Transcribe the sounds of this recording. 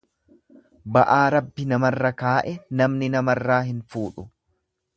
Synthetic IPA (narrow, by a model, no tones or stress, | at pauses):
bɐʔaːɾɐbːɪnɐmɐrːɐkaːʔɛnɐmnɪnɐmɐrːaːɦɪnfuːᶑʊ